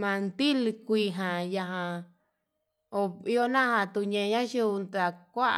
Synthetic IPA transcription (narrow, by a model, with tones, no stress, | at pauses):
mã˧nd̪i˦lkʷi˧ɦã˨ja˧ɦã˧ | o˧i˧o˦nã˦hã˧t̪u˧ɲẽ˧ɲã˦ʃu˧nd̪a˧˨kʷa˦ʔ